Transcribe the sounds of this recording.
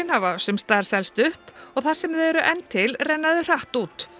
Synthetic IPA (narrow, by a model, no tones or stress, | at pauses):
ɪnhavasʏmst̪aɾ̥sɛlst̪ʏhpɔɣθaɾ̥sɛmðɪɛɾʏʔɛnt̪ʰːɪlrɛjnːaðʏr̥aht̪uːt̪